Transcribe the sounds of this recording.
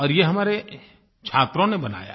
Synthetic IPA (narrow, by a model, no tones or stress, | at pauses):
ɔːɾjeɦɐmaːɾe | t͡ʃʰaːt̪ɾõnebɐna̰ːja̰